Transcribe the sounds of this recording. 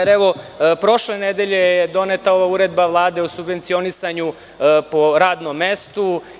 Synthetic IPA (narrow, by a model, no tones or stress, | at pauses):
eɾeʋo̞ | pɾo̞ʃlened̪eʎe̞jed̪o̞net̪ao̞ʋauɾed̪baʋlˠaːd̪e̞osubʋent̪sio̞nisaɲu | poɾaːd̪nomːest̪u